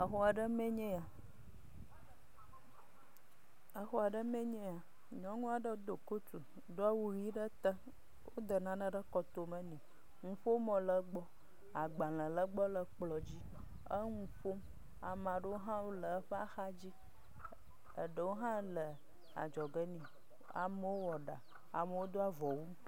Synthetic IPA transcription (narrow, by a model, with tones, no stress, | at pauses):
ə˨xo˦a˨ɖə˦mẽ˦ɲɛ̃˦a˨ | ə˦xo˦a˨ɖə˦mẽ˦ɲɛ̃˦a˨ | ɲɔ̃˦ŋũ˦a˨ɖə˦d̪o˨ko˦t̪u˨ | d̪o˦a˦wu˦ɣi˦ɖə˦t̪ə˦ | wʔo˦d̪ə˨nã˦nə̃˦ɖə˦kɔ˨t̪o˦mə̃˦nĩ˨ | ŋũ˨fo˦mɔ̃˨lə˨ɡ͡bɔ˦ | a˨ɡ͡bã˨lə̃˨lə˦ɡ͡bɔ˦lə˨k͡plɔ˨d͡ʑi˦ | ə˦ŋũ˨ɸo˦m | a˨mã˨ɖə˦wo˦ɦã˦wo˦lə˨˦ɸə˦a˦xa˦d͡ʑi˦ | ə˨ɖə˨wo˦ɦã˦lə˨ | a̰˨d͡ʒɔ˨ɡə˦nĩ˨ | a̰˨mə˦wo˦wɔ˨ɖa˨ | a̰˨mə˨wo˦d̪o˦a˨vɔ˨wu˦